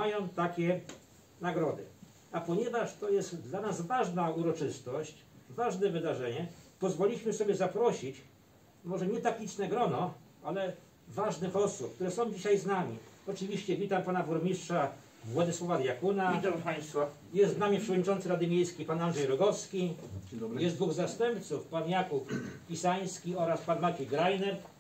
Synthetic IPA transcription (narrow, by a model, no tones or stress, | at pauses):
majɔ̃w̃t̪akʲɛ | naɡɾɔd̪ɘ̰ | apɔɲɛvaʂt̪ɔjɛst̪d̪lanazvaʐnauɾɔt͡ʂɘst̪ɔɕt͡ɕ | vaʐnɛvɘd̪aʐɛɲɛpɔzvɔlʲiɕmɘsɔbʲjɛzapɾɔɕit͡ɕ | mɔʐɛɲɛt̪ak̚t̪ʲit͡ʂnɛɡɾɔnɔ | alɛ | vaʐnɘxɔsup̚k̚t̪uɾɛsɔ̃w̃d͡ʑiɕajznamʲiɔt͡ʂɘvʲiɕt͡ɕɛvʲit̪ampanavɔɾmʲiʂtʂa | vwɔd̪ɨswɔvad̪ʲjakunat̪apast̪fa | jɛst̪znamʲipʂɛvɔd̪ʲɲit͡ʂɔnt̪sɘɾad̪ɘmʲjejskʲejpanand̪ʐɛjɾɔɡɔfskʲi | jɛsd̪vuɣzast̪ɛmp̚t̪sufpanjakupːʲisaj̃skʲiɔɾaspanmat͡ɕɛjɡɾajnɛɾ